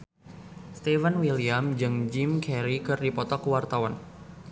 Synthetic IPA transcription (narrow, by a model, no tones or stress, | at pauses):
st̪ɛvanwiliamd͡ʒɨŋd͡ʒimkʰɛɾikɨrdipɔt̪ɔkəwart̪awan